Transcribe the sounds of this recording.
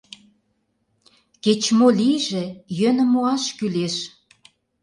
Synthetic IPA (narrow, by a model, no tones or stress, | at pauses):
ket͡ɕmoliʒĕjønə̆moɑʃkyleʃ